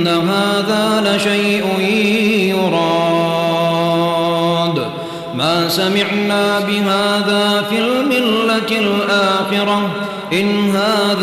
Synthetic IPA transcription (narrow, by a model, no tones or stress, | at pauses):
aɦaːðaːlaʃajʔʊ | jʊɾˤɑː | d̪ | maːsamɪʕnaːbɪɦaːðaːfilmɪlːat̪ɪlʔaːxɪɾˤɑ | ʔɪnɦaːð